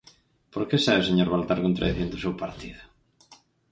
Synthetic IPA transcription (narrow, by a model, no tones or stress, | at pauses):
poɾkesaβeoseɲoɾβalt̪aɾkont̪ɾa̰ðiθjond̪ʊsewpaɾt̪iðʊ